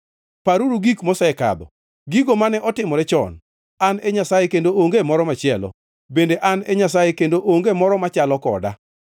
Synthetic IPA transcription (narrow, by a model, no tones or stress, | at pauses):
paɾuɾuɡikmosaɛka̰d̪ɔ̰ | ɡiɡomanɛʔɔtɪmɔɾɛt͡ʃɔ̰n | anɛɲasajekendooŋɡemɔɾɔmat͡ʃɪɛlɔ̰ | bendeʔanɛɲasajekendoʔoŋɡemɔɾɔmat͡ʃalɔkɔ̰da̰